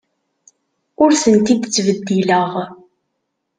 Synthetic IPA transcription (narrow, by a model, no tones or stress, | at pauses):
ʊɾθənt̪id̪t͡sːvəd̪ːiləʁ